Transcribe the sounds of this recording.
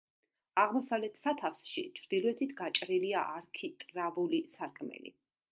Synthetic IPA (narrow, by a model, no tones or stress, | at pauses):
aʁmɔsavlɛt̪ʰsat̪ʰafsʃḭt͡ʃʰɾd̪̥ilɔɛt̪ʰit̪ʰɡat͡ʃʼɾiliaʔaɾkʰit̪ʼɾavulisaɾkʼʰmɛ̰lḭ